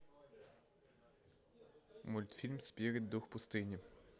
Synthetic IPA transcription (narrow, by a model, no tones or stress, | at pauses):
mʊlʲt̪fʲilʲmsʲpʲiɾʲid̪ːuxpʊst̪ɪnʲi